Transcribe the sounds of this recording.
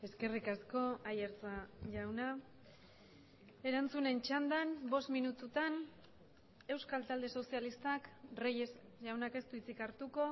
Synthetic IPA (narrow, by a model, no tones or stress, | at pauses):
e̞ske̞rikasko̞ajeɾt͡saʝawna | e̞ɾant͡sune̞nt͡ʃand̪anbo̞st̪minut̪ut̪an | e̞wskalt̪ald̪e̞so̞sijalist̪akrejesʝawnake̞st̪uit͡sikaɾt̪uko̞